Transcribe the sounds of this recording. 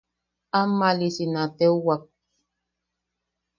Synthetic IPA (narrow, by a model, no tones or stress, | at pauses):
amalisinatɛwak̚